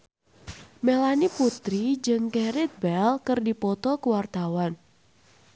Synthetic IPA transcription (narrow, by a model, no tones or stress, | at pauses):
melaniput̪ɾid͡ʒɨŋkɛɾɪt̪̚bɛlkərdipɔt̪ɔkəwart̪awan